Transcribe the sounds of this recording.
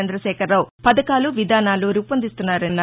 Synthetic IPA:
ɐnd̪ɾɐʃɛːkʰɐɾːɐwpɐd̪ɐkaːluʋid̪ʱaːnaːluɾupɐnd̪ist̪unːaːɾɐnːɐ

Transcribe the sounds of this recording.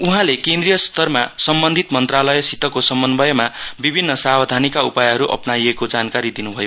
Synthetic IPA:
uɦãlekẽnd̪rijʌst̪ʌrmasʌmbʌnd̪ʱit̪mʌnt̪ralʌjʌsit̪ʌkosʌmbʌnbʱʌjʌmabibʱinːʌsabʌd̪ʱanikaupajʌɦʌɾuʔʌ̰pnaiekod͡zankaɾid̪inubʱʌjo

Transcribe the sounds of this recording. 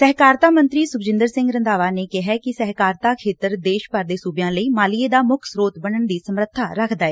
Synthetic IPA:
sɛɦkaːɾt̪aːmə̃nt̪ɾiːsʊkd͡ʒɪnd̪əɾsɪ̃ŋɡɾənd̪aːʋaːneːkɪɦɛːkɪsɛɦkaːɾt̪aːkʰeːt̪əɾd̪eːʃpəɾd̪eːsuːbɪjãːləiːmaːlɪeːd̪aːmʊkʰsɾoːt̪bənəɳd̪iːsəmɾət̪ʰːaːɾəkʰd̪aːɛː

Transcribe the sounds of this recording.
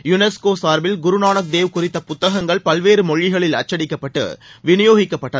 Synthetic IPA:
jʊnɛskoːsaːɾbɪlɡʊɾʊnaːɳɐk̚d̪eːʋkʊrɪt̪ːɐpʊt̪ːɐɣɐŋɡɐɭpɐlʋeːɾɯmɔɻːɪɣɐɭɪlɐ̰t͡ʃːɐɽɪkːɐpːɐʈːɯ̰ʋɪnɪjoːɣɪkːɐpːɐʈːɐ

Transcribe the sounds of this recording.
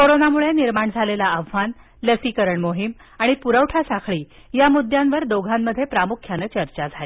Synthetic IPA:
koɾonamuɭeniɾmaɳd͡zʱalelaəʋʋan | ləsikəɾəɳmoɦim | aɽ̃ipuɾəʋʈʰasakʰɭiː | jamud̪ʱjanʋəɾd̪oɡʱamːəd̪ʱːjepɾamukʰjanət͡ɕəɾt͡ɕad͡zʱale

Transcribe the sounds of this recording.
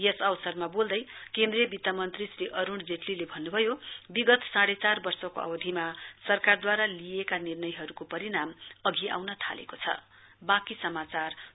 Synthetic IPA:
jesʌwsʌrmabold̪ʌjkẽnd̪rijʌbit̪ːamʌnt̪risriʔʌɾuɳd͡zeʈlilebʱʌnːubʱʌjobiɡʌt̪saɽet͡sarbʌrsʌko̰ʌ̰bʌd̪ʱimasʌrkard̪waɾalijekanirnʌjɦʌɾukopʌɾinamʌɡʱia̰wnʌt̪ʰa̰lḛkot͡sʰʌ̰ | bakisʌmat͡sar

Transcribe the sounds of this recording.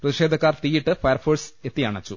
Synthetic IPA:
prɐðiʂeːd̪ʱɐkːaːrt̪iːjiʈːɨfɐjɐrfoːset̪ːijaːɳɐt͡ɕːu

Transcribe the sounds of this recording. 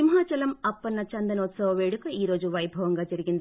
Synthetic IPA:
imɦaːt͡ʃɐlɐmɐpːɐnːɐt͡ʃɐnd̪ɐnot̪sɐʋɐʋeːɽukːɐiːɾoːd͡ʒuʋɐjbʱɐʋɐŋɡɐt͡ʃɐɾiɡind̪ɐ

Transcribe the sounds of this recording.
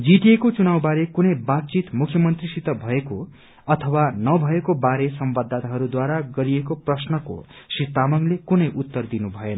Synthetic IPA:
d͡ziʈiekot͡sunawbaɾekunʌjbat̪̚t͡sit̪mukʰjʌmʌnt̪risit̪ʌbʱʌeko | ʌt̪ʰʌwanʌbʱʌekobaɾesʌmbʌd̪ːat̪aɦʌɾud̪waɾaɡʌɾiekoprʌsnʌko̰ | sit̪amʌŋlekunʌjʔut̪ːʌrd̪inubʱʌenʌ

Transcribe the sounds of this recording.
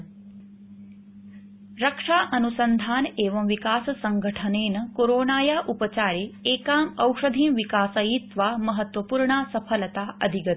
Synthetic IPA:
ɾɐkʂaːʔɐnusɐnd̪ʱaːneːʋɐmʋikaːsɐsɐŋɡʱɐʈʰɐneːnɐkoːɾoːnaːjaːʔupɐt͡ɕaːɾeːeːkaːmɐwʂɐd̪ʱiːmʋikaːsɐjit̪ʋaːmɐɦɐt̪ʋɐpuːɾɳaːsɐpʰɐlɐt̪aːʔɐ̰d̪ʱiɡɐt̪

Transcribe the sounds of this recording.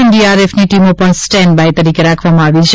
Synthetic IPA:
nɖiaɾefniʈimopəɳsʈɛnɖbajt̪əɾikeɾakʰʋamãaʋit͡ʃʰe

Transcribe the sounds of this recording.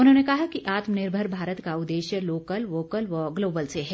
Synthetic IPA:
ʊnɦõːnekɐɦakiʔaːt̪mnɪɾbʱəɾbʱaːɾət̪kaʊd̪ːeːʃjəloːkəlʋoːkəlʋɐɡloːbəlseɦɛː

